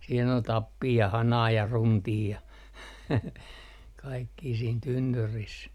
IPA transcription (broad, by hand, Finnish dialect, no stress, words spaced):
siːn ol tɑpːiː jɑ hɑnɑː jɑ runtiː jɑ kɑikːiː siːn tynːyris